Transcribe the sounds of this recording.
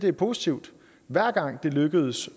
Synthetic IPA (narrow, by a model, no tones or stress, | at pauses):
d̥eæɐpʰo̝sit͡sʰiʊd̥ | ʋæɐ̰ɡ̥ɑ̈ŋ̰d̥e̝løɡ̥əð̞̩ˠs